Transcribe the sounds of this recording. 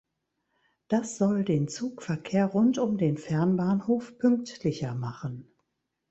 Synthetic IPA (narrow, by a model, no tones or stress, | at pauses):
d̥asz̥ɔldeːnt͡suːkfɛɐkʰeːɐʁʊntʊmdeːnfɛɐnbaːnhoːfpʰʏŋk̚tlɪçɐmaχən